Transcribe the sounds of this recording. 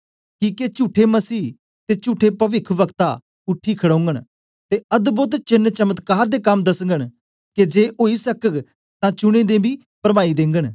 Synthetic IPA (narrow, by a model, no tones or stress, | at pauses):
kiːket͡ʃuːʈʰːemɐsiː | t̪eːt͡ʃuːʈʰːepɐʋɪkʰʋəkt̪a | ʊʈʰːiːkʰəɽõːŋɡəɳ | t̪eɐd̪bʊt̪t͡ʃɪnːt͡ʃəmət̪kaːɾd̪eːkɐmd̪ɐsəŋɡəɽ̃ | ked͡ʒeːʔoːisəkək | t̪ãt͡ʃʊɽ̃ẽːd̪ẽːbʱiː | pəɾmaːid̪ẽːŋɡən